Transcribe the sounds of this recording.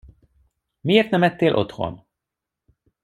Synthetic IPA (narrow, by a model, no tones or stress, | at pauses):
mijeːrt̪nɛmɛt̪ːeːlʔo̞̰t̪ho̰n